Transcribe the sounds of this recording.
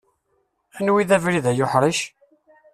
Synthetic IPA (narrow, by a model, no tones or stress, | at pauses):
ænwiðævɾiðæjʊħɾˤiʃ